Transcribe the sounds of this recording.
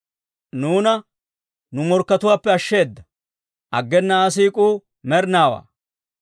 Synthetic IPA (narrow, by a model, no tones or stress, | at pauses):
nuːnɐ | nʊmɔɾkːɐt̪ʊwaːpːɛɐʃːe̞ːd̪ːɐ | ʔɐɡːɛnːɐas̬iːkʼuː | mɛɾnaːwa̰ː